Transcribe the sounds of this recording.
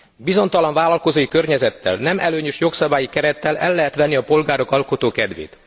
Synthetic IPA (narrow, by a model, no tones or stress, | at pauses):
bizo̞nt̪ɒlɒɱvaːlɒlko̞zoːjikørɲɛzɛt̪ːɛ̰lnɛmɛløːɲøʃjo̞ksɒbaːjikɛɾɛt̪ːɛlɛlːɛɦɛt̪ʋɛnːiɒpo̞lɡaːɾo̞kɒlko̞t̪oːkɛd̪ʋḛːt̪